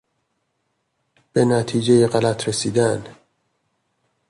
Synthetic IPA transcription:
b̥enæt̪ʰiːd͡ʒejeɣælæt̪ʰɾesiːd̪æn

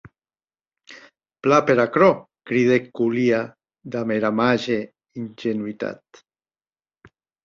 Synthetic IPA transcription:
plapeɾakɾo | kɾiðekulia | d̪ameɾamaʒe | inʲʒenwit̪a̰t̪

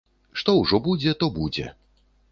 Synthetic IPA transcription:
ʂt̪ɔwʐɔbud͡zʲɛt̪ɔbud͡zʲɛ̰

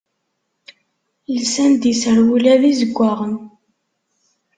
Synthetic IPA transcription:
lsænd̪isəɾwulæðizəɡʷːaʁən

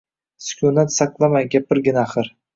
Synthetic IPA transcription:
sʊ̥kʲʰʊnat̪saqlˠamajɡʲap̚bɪɾɡʲɪnaːχɨɾ

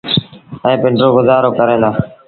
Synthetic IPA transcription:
ə̃ẽːpɪɳɖɾoːɡʊzaːɾoːkəɾẽːlaː

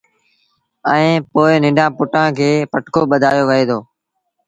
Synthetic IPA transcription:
ə̃ẽːpoːɪnɪ̃ɖʱãːpʊʈãːkʰeːpəʈkoːɓəd̪ʱaːjoːʋəɦeːd̪oː

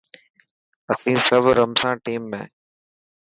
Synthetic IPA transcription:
əsĩːsəʋɾəmsãːʈiːmːḛ̃ː

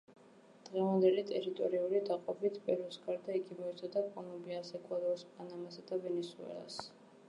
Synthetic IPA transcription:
d̪̥ʁɛvand̪ɛlit̪ʼɛɾit̪ʼɔɾiulid̪aqʼɔbit̪ʰbʼɛɾusɡaɾd̪aiɡimɔit̪sʰad̪akʼɔlɔmbiasɛkʼwad̪ɔɾspʼanamasad̪avɛnɛsuɛ̰lˠa̰s

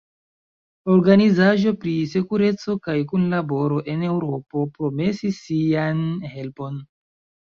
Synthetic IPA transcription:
o̞ɾɡanizaʒo̞pɾise̞kuɾe̞t͡so̞kajkunlabo̞ɾo̞ʔe̞ne̞wɾo̞po̞pɾo̞me̞sisːianhe̞lpo̞n

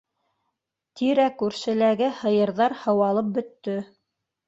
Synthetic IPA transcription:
t̪iɾækʉɾsɘ̆læɡɘhɤ̆jɤ̆ɾðɑɾhɤ̆wɑlˠɤp̚bɵ̆t̪ːɵ

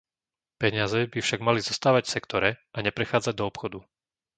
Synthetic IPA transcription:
pɛɲɪazɛbifʃaɡmalizɔst̪aːʋacfsɛkt̪ɔɾɛʔaɲɛpɾɛxaːd͡zaɟ̚d̪ɔːpxɔd̪u

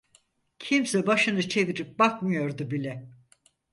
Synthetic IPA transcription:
cʰimsɛbaʃɯnɯt͡ʃʰe̞viɾip̚bakmɯjo̞ɾd̪ubilʲɛ

